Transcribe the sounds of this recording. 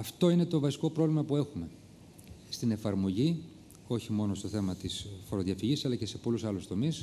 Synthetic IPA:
ɐft̪o̞ine̞t̪o̞vɐsi̥ko̞pɾo̞vlimɐpue̞xume̞ | st̪ine̞fɐɾmo̞ʝi | o̞çimo̞no̞st̪o̞θe̞mɐt̪isfo̞ɾoðiɐfiʝisɐlɐce̞se̞po̞lusɐlust̪o̞mis

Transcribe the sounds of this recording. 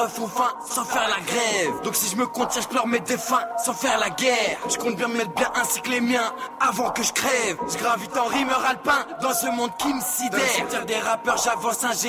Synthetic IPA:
əfɔ̃fɛ̃ | sɑ̃fɛʁlaɡʁɛvd̪ɔ̃ksiʒəməkɔ̃t̪jɛ̃ʒəplœʁmɛd̪efɛ̃sɑ̃fɛʁlaɡɛʁʒəkɔ̃t̪̚bjɛ̃d̪əmɛt̪χbjɛ̃ʔɛ̃si̥klemjɛ̃avɑ̃kəʒə̥kχɛvʒəɡʁavit̪ɑ̃ʁimœʁalpɛ̃d̪ɑ̃səmɔ̃d̪̚kʲiməsid̪ɛat̪ɛʁd̪eʁapœʁʒavɑ̃sɛ̃ʒe

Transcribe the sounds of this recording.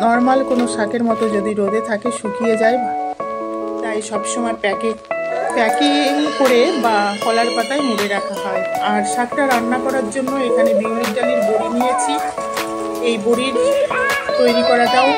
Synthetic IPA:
nɔɾmalkonoʃakeɾmɔt̪od͡ʑod̪iɾod̪et̪ʰakeʃukʰijed͡ʑaeb | t̪ajʃɔbʃɔmɔepɛkepɛkiŋkoɾebafɔlaɾpat̪ajmuɾeɾakʰaɦɔeaɾʃakʈaɾanːakɔɾaɾd͡ʑonːoekʰanebiwlikɖaliɾboɽinijet͡ɕʰi | ejboɽiɾ | t̪ojɾikɔɾad͡ʑao

